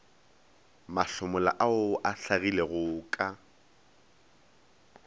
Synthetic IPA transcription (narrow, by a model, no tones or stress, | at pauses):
maɬʊmʊla̰ʔaʊʔaɬaɣileɣʊːkʼa